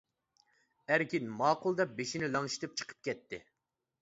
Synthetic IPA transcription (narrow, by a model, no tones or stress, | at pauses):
æɾkʲinmɑːqʰʊlˠd̪ɛp̚beʃinɪlˠɑŋʃi̥t̪ɨp̚t͡ʃʰə̥qʰə̥p̚kʲʰɛt̪ʰːɪ